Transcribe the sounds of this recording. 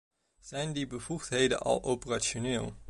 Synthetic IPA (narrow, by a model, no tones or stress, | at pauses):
z̥ɛjndibəvuχtɦejdə̰nʔɑ̰lˠowpəraʃonɪːlˠ